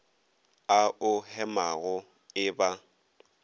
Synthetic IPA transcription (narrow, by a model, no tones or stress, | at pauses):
aʊhɛmaɣʊ | ɪba